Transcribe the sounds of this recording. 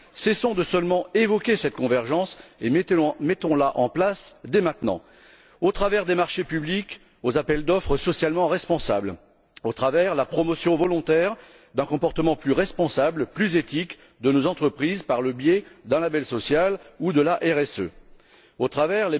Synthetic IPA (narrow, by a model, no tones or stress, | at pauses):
sɛsɔ̃d̪əsœlmɑ̃evɔkʲesɛt̪̚kɔ̃vɛʁʒɑ̃semɛt̪ɔ̃laʔɑ̰̃plasd̪emɛ̃t̪nɑ̰̃ | ot̪χavɛʁd̪emaʁʃepyblik | ozapɛld̪ɔfχəsɔsjalmɑ̃ʁɛspɔ̃sabl | ot̪χavɛʁlapχɔmɔsjɔ̃vɔlɔ̃t̪ɛʁ | d̪ɛ̃kɔ̃pɔʁt̪əmɑ̃plyʁɛspɔ̃sablplyzet̪ik | d̪ənozɑ̃t̪χəpχizpaʁləbjed̪ɛ̃labɛlsɔsjalud̪əlaʔɛʁɛsø̰ | ot̪χavɛʁle